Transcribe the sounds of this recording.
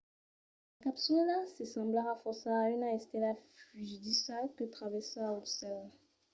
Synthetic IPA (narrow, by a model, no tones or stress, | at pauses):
akapsyllasɛsɑ̃blaʁafɔʁsaaynaɛst̪ɛlafyʒd̪isalkət̪χavɛʁsaaot̪sɛl